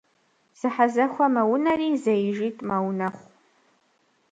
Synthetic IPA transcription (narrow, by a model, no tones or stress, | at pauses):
z̥ɨħazɐxʷɔmɐwʊnɐriːzɐjɪʒiːtʼmɐwnɐχʷ